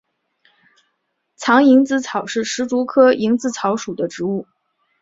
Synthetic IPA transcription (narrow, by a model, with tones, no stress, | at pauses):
t͡sʰɑ˧˥ŋi˧˥ŋt͡sɹ̩˧˥t͡sʰɑ˨˩ʊʂɻ̩˥˩ʂɻ̩˧˥t͡su˧˥kʰɤ˥i˧˥ŋt͡sɹ̩˥˩t͡sʰɑ˧˥ʊʂu˨˩d̪ə˦ʈ͡ʂɻ̩˧˥u˥˩